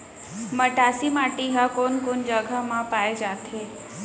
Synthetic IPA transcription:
məʈasimaʈiɦakonkond͡ʒəɡʱamãpaed͡ʒat̪ɦe

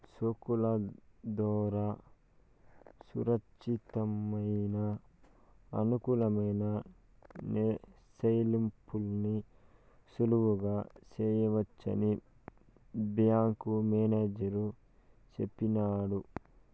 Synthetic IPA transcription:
sokulɐd̪ɔːɾa | sṵɾɐkʃit̪ɐmɐjnɐ | ɐnukulɐmɐjnɐ | ne | sɐjlimpʰulni | suluʋuɡaːt͡ʃeːjɐʋɐt͡ʃːɐ̰ni | bjaːŋkumeːneːd͡ʒɐɾu | t͡ʃepːinaːɽu

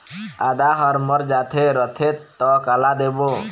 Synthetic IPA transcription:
ad̪aɦəɾməɾd͡ʒaːt̪ʰeɾət̪ʰetːɔkalad̪ebo

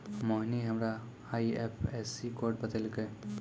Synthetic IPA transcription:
moɦniɦɐmɾa | aːiepʰɛːsikoːɾʈ̚bəd̪əlke

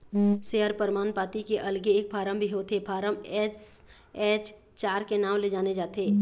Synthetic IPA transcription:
seːɦəɾpəɾmaːnpaːt̪ikeʔɐlɡeːk̚pʰaːɾəmbʱiɦot̪ʰepʰaːɾəmɛːs | ɛːt͡ʃ | t͡ʃaːɾkenaːmled͡ʒaːned͡ʒaːt̪ʰeː

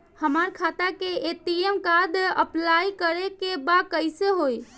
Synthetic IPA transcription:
həmaɾkʰat̪akeet̪iemkad̪əplajkəɾekebakəɪseɦoj

